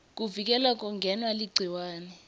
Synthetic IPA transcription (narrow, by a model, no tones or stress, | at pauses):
k̬ʼuvik̬ʼɛlak̬ʼɔŋɡʱɛnwaliɡ͡ǀʱiwaːnɛ